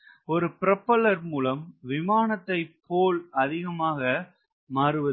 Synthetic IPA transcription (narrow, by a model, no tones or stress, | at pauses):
ɔɾɯpɪɾɐpːɐlɐɾmuːlɐmʋɪmaːnɐt̪ːɐɪpːoːlɐðɪɣɐmaːɣɐ | maːɾɯʋɐðɯ